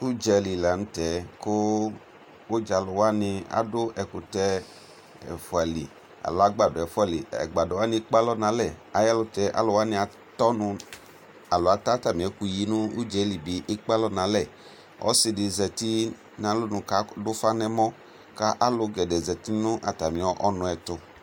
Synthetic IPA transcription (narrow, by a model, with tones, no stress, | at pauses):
u˦d͡ʒɛ˨li˨la˨nʊ˦tɛ˨˦kʊ˦ | d͡ʒa˨˦lʊ˨wa˦nɪ˧a̰˦dʊ˦ʔɛ˨kʊ˨tɛ˧ | ɛ̰˨fʊ˨a˨lḭ˨ | a̰˨lʊ˨˦a˨ɡ͡ba˨dʊ˨ɛ˨fa˦˨lḭ˨ɛ̰˨ɡ͡ba˨dʊ˨a˦nɪ˧˦k͡pa˦lɔ˦nã˨˦lɛ˦˨a˨ja˦lʊ˧tɛ˨˦ʔa̰˨lʊ˧wa˦nɪ̃˧a˧ | tɔ˦nʊ˧ | a˨lʊ˨a˨˦ta˦ta˦˨mĩ˨ɛ˨˦ku˧ji˨˦nʊ̃˦u˦d͡ʒɛ˨˦li˨bi˨ʔɪ˦k͡pa˦lɔ˦nã˨˦lɛ˦˨ | ɔ̰˦sɪ˧dɪ˨zɛ˨ti˦ | nã˨lʊ˦nʊ̃˨ka˨˦dʊ˦fa˦nɛ˦mɔ˦ | ka˦ʔa˦lʊ˧ɡɛ˨dɛ˨zɛ˨ti˦nʊ̃˦ʔa̰˨ta˨mĩ˨ɔ˨˦ʔɔ˦nʊ̃˧ɛ˨tʊ˧